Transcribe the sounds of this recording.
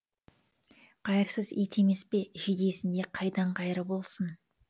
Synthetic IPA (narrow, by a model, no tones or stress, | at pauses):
qʰɑjəɾsəzet̪ʰe̞me̞spe̞ʒed̪e̞sɪnd̪e̞qʰɑjd̪ɑɴqɑjɾəbo̞lˠsən